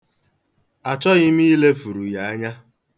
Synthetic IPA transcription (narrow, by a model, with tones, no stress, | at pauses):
a˨t͡ʃɔ˦ɣɪ˦m˦i˦le˦fu˨ɾu˨ja˨a˦ɲa˦